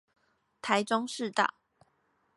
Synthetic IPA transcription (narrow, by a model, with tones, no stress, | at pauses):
t̪ʰa˨˦ɪʈ͡ʂo˦ŋʂɻ̩˥˨t̪a̰˥˨